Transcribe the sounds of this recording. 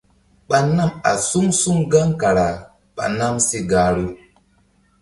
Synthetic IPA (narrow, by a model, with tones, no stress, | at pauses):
ɓa˨na˦˨ma̰˨su˦ŋsu˦ŋɡa˦ŋka˨ɾa˨ | ɓa̰˨na˦msi˦ɡa˨ɾu˦